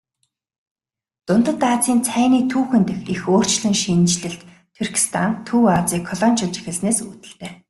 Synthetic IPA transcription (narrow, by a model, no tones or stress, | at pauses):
t̪ʊnt̪ə̆t̪aːt͡siːnt͡sʰæːniːt̪ʰuːxɘ̆nt̪ɘ̆xixoːr̥t͡ɕɮɘ̆ŋʃint͡ɕɮɘ̆ɬt̪ | t̪ʰurkʰi̥st̪ʰant̪ʰuːat͡siːkʰːɔɮɔnt͡ɕə̆nt͡ɕi̥xɘ̆ɮsneːsuːt̪ɘ̆ɬt̪eː